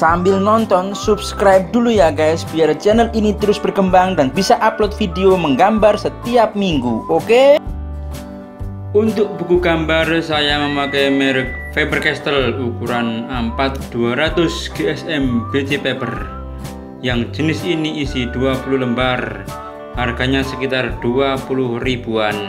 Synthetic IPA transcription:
sambɪlnɔnt̪ɔnsubskɾajp̚d̥̪ulujakaɛsb̥iaɾt͡ʃɛnəlinit̪əɾʊsb̥ərkəmbaŋd̪anbisaʔaplɔt̪̚fideoməŋɡambarsət̪iap̚miŋɡuʔoke | unt̪ʊʔ̚b̥ukuɡambarsajaməmakemɛɾɪk̚febərkɛst̪əlukuɾanəmpat̪̚d̪̥uaɾat̪ʊsɡ̥eɛsɛmb̥et͡ʃepebər | jaŋd͡ʒənɪsiniʔisid̪̥uapulʊhləmbar | ʔarɡ̥aɲasəkit̪ard̪̥uapulʊhrib̥uan

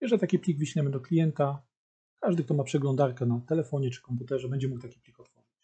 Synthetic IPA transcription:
jɛʐɛit̪akʲiplʲiɡviɕɲɛmɘd̪ɔklʲijɛnt̪a | kaʐd̪ɘk̚t̪ɔmapʂɛɡlɔnd̪aɾkɛnat̪ɛlɛfɔɲɛt͡ʂɘ̥kɔmput̪ɛʐɛbɛɲd͡ʑɛmuk̚t̪akʲiplʲikɔt̪fɔʐɨt͡ɕ

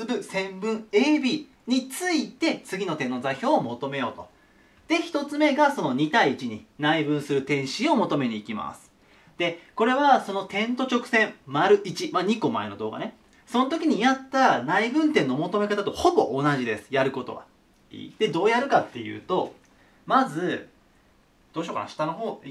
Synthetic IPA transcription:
ɾɯ̟sẽ̞mbɯ̟̃ɴeːbʲi | ɲ̟it͡sɨit̪e̞t͡sɨɡʲino̞t̪ẽ̞nːo̞zaçʲo̞ːmo̞t̪o̞me̞jo̞ːt̪o̞ | d̪̥e̞çi̥t̪o̞t͡sɨme̞ɡaso̞no̞ɲ̟it̪aiːt͡ɕiɲ̟inaibɯ̟̃ɰ̃sɨɾɯ̟t̪ẽ̞ɰ̃ɕio̞mo̞t̪o̞me̞ɲ̟iːkʲima̰sɨ̥ | d̪̥e̞ko̞ɾe̞βaso̞no̞t̪ẽ̞nt̪o̞t͡ɕo̞kɯ̟̥sẽ̞mmaɾɯ̟ʔit͡ɕimaɲ̟iko̞ma̰eno̞d̪o̞ːɡa̰ne̞ | so̞not̪o̞kʲiɲ̟ijat̪ːanaibɯ̟̃nt̪ẽ̞nːo̞mo̞t̪o̞me̞kat̪at̪o̞ho̞bo̞ʔonaʑid̪e̞sɨ̥jaɾɯ̟ko̞t̪o̞̰ɡa̰ | ḭːd̪̥e̞d̪o̞ːjaɾɯ̟kat̪ːe̞jɯ̟̰ːt̪o̞ | mazɨ | d̪̥o̞ːɕoːka̰a̰ɕi̥t̪anoɦoː

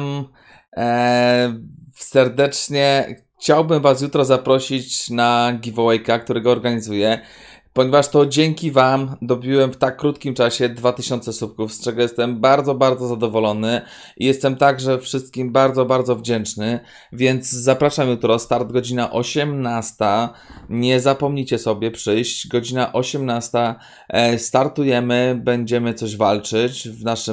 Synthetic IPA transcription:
m | sɛɾd̪ɛt͡ʂɲɛx | t͡ɕawbɘmvas̬jut̪ɾɔzapɾɔɕit͡ɕnaɡʲivɔwɛjkakt̪uɾɛɡɔːɾɡaɲizujɛ | pɔɲɛvaʂt̪ɔd͡ʑɛŋkʲivamd̪ɔbʲiwɛmft̪akːɾut̪kʲimt͡ʂaɕɛd̪vat̪ɘɕɔnt̪sɛsup̚kufst͡ʂɛɡɔjɛst̪ɛmbaɾd̪zɔbaɾd̪zɔzad̪ɔvɔlɔnɘ | ʔijɛst̪ɛmt̪aɡʐɛfʂɘst̪̚kʲimbaɾd̪zɔbaɾd̪zɔvd͡ʑɛnt͡ʂnɘ | vʲjɛnd̪zzapɾaʂamjut̪ɾɔst̪aɾd̪ɡɔd͡ʑinaʔɔɕɛmnast̪a | ɲɛzapɔmɲit͡ɕɛsɔbʲjɛpʂɘjɕt͡ɕɡɔd͡ʑinaʔɔɕɛmnast̪a | st̪aɾt̪ujɛmɘbɛɲd͡ʑɛmɘt̪sɔʑvalt͡ʂɘt͡ɕvnaʂɘ

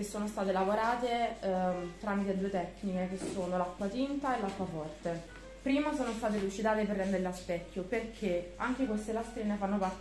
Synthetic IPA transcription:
esːoːnost̪aːt̪̬elavoɾaːt̪e | t̪ɾaːmit̪ed̪uːet̪ɛkːnik̟ek̟esːoːnolakːwat̪int̪aelːakːwafɔrt̪e | pɾiːmasoːnost̪aːt̪̬elut͡ʃid̪aːt̪eperːɛnd̪eɾelaspɛkːjoperkʰeaŋk̟ekwest̪elast̪ɾiːnefanːopar

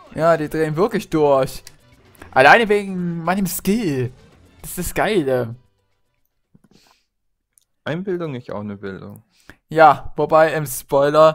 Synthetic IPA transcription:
jaːdiːdʁeːənvɪɐklɪçd̥ʊɐç | ʔalaɪnəveːɡŋ̩maɪnəmskil | d̥asd̥asɡ̥aɪlə | ʔaɪnbɪldʊŋɪsta̰ʊxnəbɪldʊ̰ŋ | jaːvobaɪʔɪmspɔʏlɐ

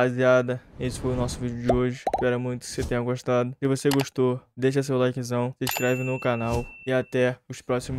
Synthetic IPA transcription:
baziad̪ɐesɪ̥fojʊnɔsʊvid͡ʒʊd͡ʒɪoʒɪʃpɛɾɐmũj̃t̪ʊ̥set̪ẽɲ̃ɐɡoʃt̪ad̪ʊsɪvoseɡoʃt̪od̪ejʃ̬ɐs̬ewlajkizɐ̃w̃sɪiʃkɾɛvɪnʊkanawɪat̪ɛʊʃpɾɔsimʊ

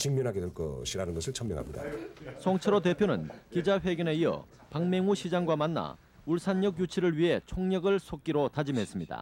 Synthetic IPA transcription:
t͡ɕiŋmunɦaɡedweɭk͈ʌ̰ɕʰiɾanɯnɡʌsʰɯɭt͡ɕʰʌmjʌŋɦa̰mɲida̰sʰʌŋt͡ɕʰeɾot̬e̞pʰjonɯ̰nkid͡ʑaɸe̞ɡjʌne̞iʌ̰ | paŋme̞ŋuɕʰid͡ʑaŋɡwamanːa̰ | uɭsʰaɲːʌɡjut͡ɕʰiɾɯɭɥiɦe̞t͡ɕʰoŋɲʌɡɯɭsʰok̚k͈iɾotad͡ʑimɦe̞s͈ɯmɲida̰

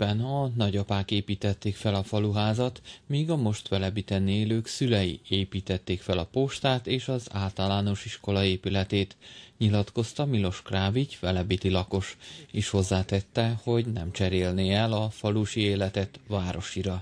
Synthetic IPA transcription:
pɛnɒnɒɟɒpaːkeːpiːt̪ɛt̪ːeːkfɛlɒfɒluɦaːzɒt̪miːɡɒmo̞ʃt̪ʋɛlɛbit̪ɛneːløːksylɛjḭeːpiːt̪ɛt̪ːeːkfɛlɒpoʃt̪aːt̪eːʃɒza̰ːlt̪ɒlaːno̞ʃiʃko̞lɒeːpylɛt̪eːt̪ɲilɒt̪ko̞st̪ɒmilo̞ʃkraːvicʋɛlɛbit̪ilɒko̞ʃeːʃho̞zːaːt̪ɛt̪ːɛho̞ɟnɛ̰mt͡ʃɛɾeːlneːɛlɒfɒluʃieːlɛt̪ɛt̪vaːɾo̞ʃiɾɒ

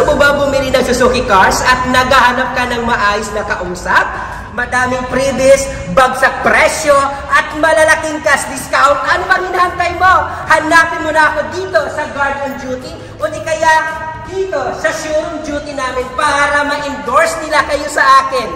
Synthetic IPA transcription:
mʊbɐbʊmɪɾɪnɐŋsʊsuːkɪkaɹsɐt̪̚nɐɡahɐnɐp̚kɐnɐŋmɐʔaːjosnɐkɐʔuːsɐp̚ | mɐd̪aːmɪŋpɾibɪs | bɐɡsɐk̚pɾɛʃjoʔɐt̪mɐlɐlɐkɪŋkɐsɐd̪ɪskawnt̪ʔɐnobɐŋhɪnɐhɐnt̪ɐjmo̞ | hɐnaːpɪnmonɐɐko̞d̪iːt̪o̞sɐɡaɹd̪ɐnd͡ʒuːt̪ɪ | ʔond̪ɪkɐjaʔd̪̥iːt̪o̞sɐʃuɾoŋd͡ʒuːt̪ɪnaːmɪnpaːɾɐmɐʔɪnd̪o̞ɹsnɪlakɐjo̞sɐʔaːkɪn

